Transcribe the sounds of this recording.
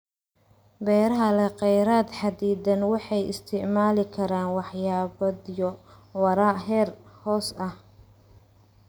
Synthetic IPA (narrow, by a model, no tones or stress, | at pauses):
bɛːɾɐɦɐlɛqɛjɾaːd̪ħɑd̪iːd̪ɐnwɑħɑjɪ̰st̪ʰɪʕmaːlɪkʰɐɾaːnwɑħjaːβɐd̪jɔ | wɐɾaːɦɛːrhɔːsɐh